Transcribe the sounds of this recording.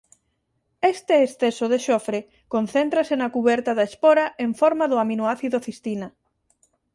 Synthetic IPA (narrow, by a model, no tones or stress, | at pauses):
est̪eːsθesoðeʃɔfɾe | konθent̪ɾasenakuβɛɾt̪aðaespɔɾaʔeɱfɔɾmaðʊaminoaθiðoθist̪inɐ